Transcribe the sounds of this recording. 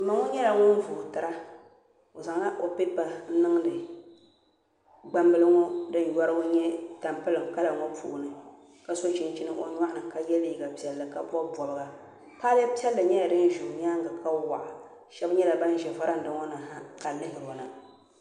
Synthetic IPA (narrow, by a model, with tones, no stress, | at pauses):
mɨ˨ŋɔ˦ɲɛ˦la˨ŋɔ˦n˦vʊ˨tɨ˦ɾa˦ | o˨za˨ŋa˦ʔo˦pi˦t̚ba˨n̩˦nɨ˦ŋ˦dɨ˨ | ɡ͡ba˦mbɨ˦lɨ˦ŋɔ˦dɨ˦n̩˨jɔ˦ɾɨ˦o˦ɲɛ˦ta˨mpɨ˦lɨ˨mka˦la˨ŋɔ˦pʰṵ˦˨ʔnɨ˨ | ka˦so˦ʃi˦n˦t͡ʃi˦nɨ˦ʔo̰˨ɲa˦ʔnɨ˨ka˦jɛ˦li˦ɡa˨pi˨ɛ˨lːɨ˨ka˦bɔ˦bɔ˨lɨ˨˦ɡa˨ | kaː˦lɛ˦pi˦ɛ˦lːɨ˨ɲɛ˦a˨dɨ˦n˦ʒu˨ʔɲa˦ŋ˦ɡa˨kʰa˦wa̰˨ʔa˨ | ʃɛ˦bɲɛ˦la˨ba˦n˦ʒɛ˨va˦ɾa˦n̩˨dɨ˨˦ŋɔ˦nɨ˨ŋha˦ka˨lɨ˦ɦɪ˨ɾo˨nɨ˨